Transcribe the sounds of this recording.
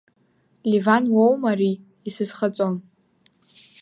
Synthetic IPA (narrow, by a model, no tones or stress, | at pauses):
livanwowmariː | sɨzχat͡sʼon